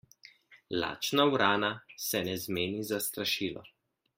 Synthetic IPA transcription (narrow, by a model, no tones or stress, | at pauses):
la̰ːt͡ʃnawɾaːnasɛnɛzmeːnizast̪ɾaʃiːlɔ̰